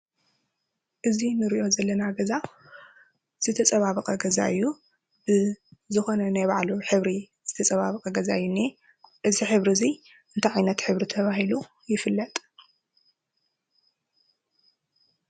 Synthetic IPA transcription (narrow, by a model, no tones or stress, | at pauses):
ʔɨzinɨɾiʔo̞zɐlːɐnaɡɐza | z̥ɨt̪ʰɐt͡sʼɐβaβɐqʼɐɡɐza̰ʔɨjːu | bɨzɨxo̞nɐnajβaʕluħɨβɾi | z̥ɨt̪ʰɐt͡sʼɐβaβqʼɐɡɐzaɨjːunːi | ʔɨziħɨβɾizi | ʔɨnt̪ʰɐʕajnɐt̪ħɨβɾit̪ʰɐβaɦilu | jɪfɨlːɐt̪ʼ